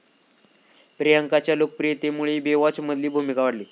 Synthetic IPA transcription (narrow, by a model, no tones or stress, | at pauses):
pɾijaŋkat͡ɕjalok̚pɾijet̪emuɭiːbeʋɔt͡sməd̪ʱliːbʱumikaʋəɽliː